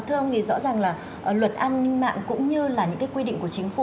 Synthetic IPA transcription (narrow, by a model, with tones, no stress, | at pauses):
t̪ʰɨ˧wŋ͡mt̪ʰi˨˩zɔ̰˧˥zaː˨˩ŋlaː˨˩ | ʔlwə˨˩t̚ʔa˧nːï˧ŋma̰ː˧˨ŋkʊ̰˧˥ŋ͡mɲɨ˧laː˨˩ɲɨ̰˧˥ŋkːaː˨˦jkwi˧ɗḭ̈˧˨ŋ̟ku˧˩ət͡ɕï˨˦ŋ̟fu˧˩